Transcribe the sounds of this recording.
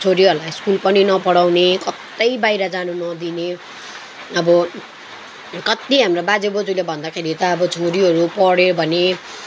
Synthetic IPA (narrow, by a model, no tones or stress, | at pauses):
t͡sʰoɾiɦʌɾlaskulpʌninʌpʌɽawnekʌt̪ːʌjbajɾʌd͡zanunʌd̪ine | ʌbʌ | kʌt̪iɦamrobad͡zebod͡zulebʱʌnd̪akʰeɾit̪ʌːbʌt͡sʰoɾiɦʌɾupʌɽebʱʌne